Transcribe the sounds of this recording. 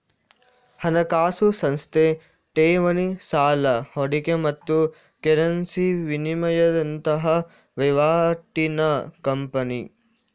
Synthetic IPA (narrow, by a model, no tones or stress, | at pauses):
hɐnɐkaːsusɐnst̪ʰe | ʈeːʋɐnisaːlɐhoɽikemɐt̪ːu | keɾɐnsiʋinimɐjɐd̪ɐnt̪ɐɦɐ | ʋeʋaːʈinɐkɐmpɐnḭ